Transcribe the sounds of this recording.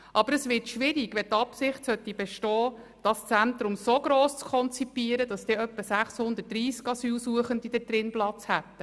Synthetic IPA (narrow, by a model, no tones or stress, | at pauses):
ʔɑbəɾəsʋɪtʃʋɪɾiɡʋɛt̪ɑpsɪχtsœt̪ːibɛʃtɔː | d̥ɑst͡sænt̪ɾʊmsoɡɾoːst͡skʰɔnt͡sipiəɾədɑsd̥̪eœpːəsæχshʊnd̪ət̚d̥ɾiːskɑsyːlsuəχəndid̥ɛdɾɪnplɑt͡shæt̪ːə